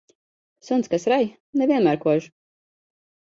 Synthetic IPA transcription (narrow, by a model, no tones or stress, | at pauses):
sunt̪skasɾaj | nɛvʲiɛnmæːɾkuɔʒ